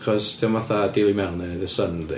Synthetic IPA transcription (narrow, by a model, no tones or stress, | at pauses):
kʰɔsd̥ʰɛmaθadɪlˠimɛwnɛðəsənd